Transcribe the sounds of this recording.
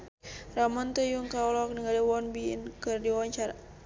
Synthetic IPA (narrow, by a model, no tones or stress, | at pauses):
ramɔnt̪əjuŋkaɔlɔk̚niɡaliwɔnbḭnkɨrdiwaɲt͡ʃaɾa̰